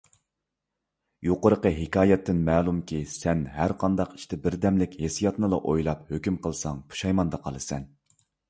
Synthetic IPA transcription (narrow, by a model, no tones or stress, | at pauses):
joqəɾəqəɦɪkʲɑːjɛt̪ʰːɪnmɛːlˠumkʲisɛnɦæɾqʰɑnd̪ɑqi̥ʃt̪ʰɪbɪɾd̪ɛmlɪkʲhesijɑt̪nɨlˠɑʔojlˠɑphøkʲymqʰəlˠsɑŋpʰu̥ʃɑjmɑnd̪ɑqʰɑ̰lˠɨsɛ̰n